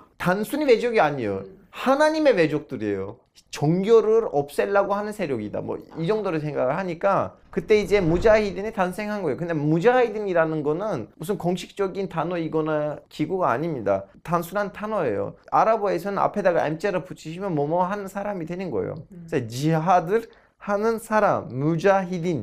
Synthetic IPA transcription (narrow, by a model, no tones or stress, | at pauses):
tansʰuɲiwe̞d͡ʑoɡiaɲijo̰ | hanaɲime̞we̞d͡ʑok̚t͈ɯɾiḛjo | t͡ɕʌŋɡjoɾɯɾʌp̚s͈e̞ɭːaɡohanɯnsʰe̞ɾjoɡida̰mwʌ̰id͡ʑʌŋdoɾɯsʰeŋɡaɡɯɭɦaɲik͈a | kɯt͈e̞id͡ʑe̞mud͡ʑaidɯnitansʰe̞ŋɦanɡʌejokɯnde̞mud͡ʑaidɯŋiɾanɯnɡʌnɯnmus̬ʰɯnkʌŋɕʰi̥k̚t͡ɕ͈ʌɡintanʌiɡʌnakiɡuɡa̰ːɲimɲida̰tansʰunɦantʰanʌe̞̰jo̰aɾaboe̞sʰʌnɯna̰pʰe̞daɡa̰jmt͡ɕ͈eɾɯput͡ɕʰiɕʰimjʌnmʌmʌɦanɯnsʰaɾamidwenɯnɡʌḛjo̰d͡ʑet͡ɕiɦadɯɾ | hanɯnsʰaɾamːud͡ʑaɦidin